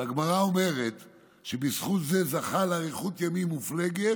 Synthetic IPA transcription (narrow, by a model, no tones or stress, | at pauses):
aɡmaʁao̞me̞ʁet̪ | ʃebisχut̪zezaχalaʁiχut̪jamimufle̞ɡet